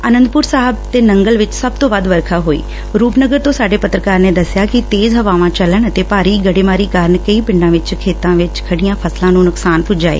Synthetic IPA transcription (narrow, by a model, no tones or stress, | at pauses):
ənə̃nd̪pʊɾsaːɦəb̚t̪eːnəŋɡəlʋɪt͡ʃsəb̚t̪õːʋəd̪ʋəɾkʰaːɦoːḭː | ɾuːpnəɡəɾt̪õːsaːɖeːpət̪ɾəkaːɾneːd̪əsjaːkɪt̪eːzɦəʋaːʋãːt͡ʃələɳət̪eːpaːɾiːɡəɽeːmaːɾiːkaːɾənkəiːpɪ̃ɳɖãːʋɪt͡ʃkʰeːt̪ãːʋɪt͡ʃkʰəɽijãːpʰəslãːnũːnʊksaːnpʊd͡ʒaːḛː